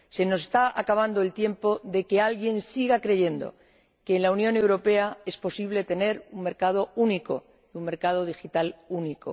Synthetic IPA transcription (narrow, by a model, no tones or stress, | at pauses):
se̞no̞se̞st̪aakaβ̞and̪o̞e̞lt̪je̞mpo̞ðe̞ke̞alɣje̞nsiɣakɾe̞ʝe̞nd̪o̞̰ | ke̞ːnlaunjõ̞ne̞wɾo̞pe̞ae̞spo̞siβ̞le̞t̪e̞ne̞ɾuŋme̞ɾkað̞o̞uniko̞̰ | iuŋme̞ɾkað̞o̞ðixit̪aluniko̰